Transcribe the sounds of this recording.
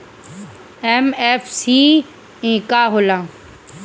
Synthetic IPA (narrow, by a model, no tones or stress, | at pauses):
eːmeːfsiː | ẽːkaːɦolãː